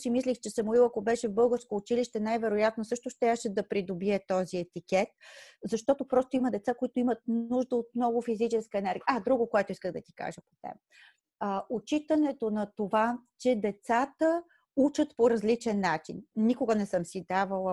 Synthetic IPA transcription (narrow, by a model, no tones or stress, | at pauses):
simislʲixt͡ʃɛsəmoilˠɐkobɛʃɛvbɤlˠɡəɾskoːt͡ʃiliʃt̪ɛnajvɛɾojat̪nosɤʃt̪oʃt̪aʃɛd̪ɐpɾid̪obiɛt̪ɔziɛt̪ikɛt̪̚zɐʃt̪ɔt̪opɾɔst̪oiməd̪ɛt̪sakoit̪oimət̪̚nuʒd̪əot̪̚mnɔɡʊfizit͡ʃɛskəɛnɛɾɡʲijəad̪ɾuɡokoɛt̪ʊiskəɣd̪ɐt̪i̥ka̰ʒəpot̪ɛ̰b | ot͡ʃit̪ənɛt̪onɐt̪ovat͡ʃɛd̪ɛt̪sat̪ə | ut͡ʃət̪poɾɐzlit͡ʃɛnːat͡ʃḭnnikoɡənɛsɤmsid̪avəlˠə